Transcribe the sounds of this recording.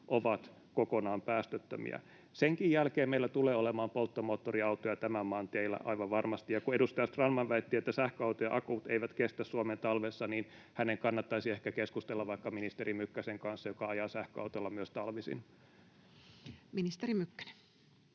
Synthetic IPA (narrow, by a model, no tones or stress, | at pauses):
ʔoʋɑt̪ | kokonɑːmpæːst̪øt̪ːø̰mḭæ̰ | seŋkijjælkeːmeilːæt̪uleːolemɑːmpolt̪ːomoːt̪ːoriɑut̪ojɑt̪æmæmːɑːnt̪eilːæ̰ʔɑiʋɑʋʋɑrmɑst̪ijɑkuedust̪ɑjɑst̪rɑnːɑnʋæet̪ːiːet̪ːæsæhkøɑwt̪ojɑʔɑkuːt̪eiʋæt̪kest̪æssuoment̪ɑlʋesːɑniːn | hæneŋkɑnːɑt̪ːɑisiehkækeskust̪elːɑʋʋɑikːɑminist̪eɾimykːæseŋkɑnsːɑjokɑɑjɑːsæhkøɑ̰wt̪olːɑmyøst̪ɑlʋisḭn | minist̪eɾimykːæ̥ne̥n